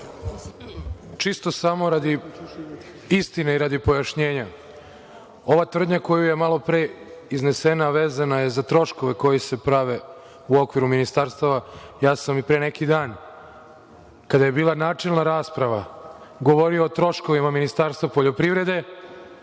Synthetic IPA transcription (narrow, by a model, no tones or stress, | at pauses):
t͡ʃist̪o̞samo̞ɾad̪i | ist̪ineiɾad̪ipo̞jaʃɲe̞ːɲa | o̞ʋat̪ʋr̩d̪ɲako̞juje̞malo̞pɾeizne̞senaʋeːzanaje̞zat̪ɾo̞ʃko̞ʋe̞ko̞jese̞pɾaʋe̞ | uo̞kʋiɾuminist̪aɾst̪aʋajaːsamipɾeːnekid̪aːn | kad̪aje̞biːlˠanaːt͡ʂelˠnaɾaːspɾaʋaɡo̞ʋo̞ɾioːt̪ɾo̞ʃko̞ʋimaminist̪aɾst̪vʋapoʎo̞pɾiʋɾe̞d̪e̞